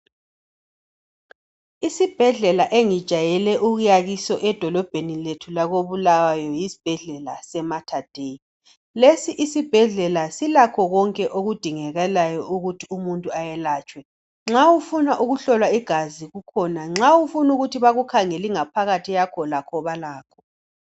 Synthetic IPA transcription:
isib̥ʱɛɮɛlaʔeŋid̥ʒ̥ʱajɛlɛʔuɣujaɣisɔʔɛd̥ʱɔlɔb̥ʱeniletʰulaɣoβulawajɔjisi̥b̥ʱɛɮɛla̰sɛmatʰad̥ʱei | lesiʔisib̥ʱɛɮɛlasilakʰɔɣɔŋkʼɛʔoɣud̥ʱiŋɛɣɛlajɔʔuɣutʰiumuntʼuajɛlaːt͡ʃʼwɛ | ŋ͡ǁawufunaʔuɣuɬɔlwaiɡ̥ʱaziɣukʰɔnaŋ͡ǁawufunuɣutʰiβaɣukʰaŋɛliŋapʰaɣatʰijakʰɔlakʰɔβalaːkʰɔ̥

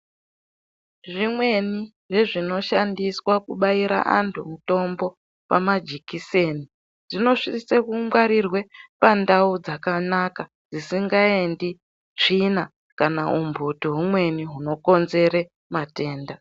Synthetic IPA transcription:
ʐimwe̞ni | ʐe̞ʐino̞ʃandiswakuɓaiɾa̰ʔa̰ntʰumuto̞mbo̞ | pa̰mad͡ʒikise̞ni | ʐino̞ʂisisekumɡwaɾirwe̞pandaud͡zakanaka | d͡zisiŋɡaendi | t͡ʂina | kanaumbʱutoɦumwe̞niɦuno̞ko̞nze̞ɾe | mate̞ːnda

